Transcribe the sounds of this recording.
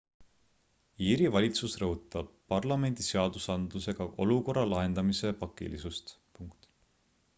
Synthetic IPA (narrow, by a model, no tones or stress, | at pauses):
iːɾivɑlʲit̪susrɤɦut̪ːˑɑb̥̚pɑrlɑme̞nʲd̪̥iseɑd̪usɑnd̪̥luse̞ɡ̥ɑʔo̞luko̞rːɑlɑɦe̞nd̪̥ɑmise̞pɑkːˑḭlḭsust̪ | puŋkt̪